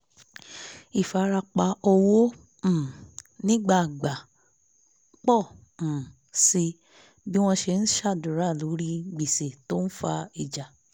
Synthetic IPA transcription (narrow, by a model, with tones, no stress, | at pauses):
i˨fa˨˦ɾa˧k͡pa˧o˧wo˦ | m̩̃˨nĩ˦ɡ͡ba˦˨ɡ͡ba˨˦ | k͡pɔ̃˦˨ | si˧ | bi˦w̃ɔ̃˧ʃe˧n̩˦ʃa˦˨du˨ɾa˦˨lo˨˦ɾi˦ɡ͡bi˨se˨to˦n̩˦fa˧i˨d͡ʒa˨